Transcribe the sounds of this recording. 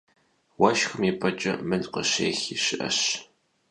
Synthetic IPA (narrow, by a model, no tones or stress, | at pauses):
wɐʃxɨmipʰʼɐt͡ʃʼɐ̰mɨnqəɕḛːxiːɕɪʔɐ̰ɕ